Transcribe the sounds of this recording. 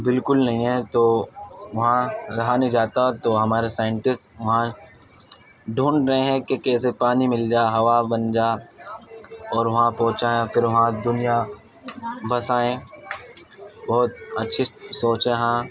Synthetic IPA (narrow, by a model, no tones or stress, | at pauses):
bɪlkʊlnɐɦĩɦɛ̃t̪oːʋɐɦãɾɐɦaned͡ʒaːt̪aɦɛ̃t̪oɦɐmaːɾesaːɪə̃ɳʈɪsʈʋɐɦã | ɖʱũːɳɖɾɐɦẽɦɛ̃kekɛːsepaːnimɪld͡ʒaːeɦɐʋabɐnd͡ʒaː | ɔːɾʋɐɦãpɔ̃ɦʊt͡ʃaːẽfʰɪɾʋɐɦãd̪ʊnija | bɐsaːẽ | bɔːt̪ɐtːʃʰisoːt͡ʃẽɦãː